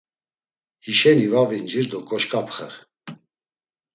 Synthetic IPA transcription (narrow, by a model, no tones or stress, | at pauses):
hiʃɛnivavind͡ʒiɾd̪ɔkʼɔʃkʼapʰχə̰ɾ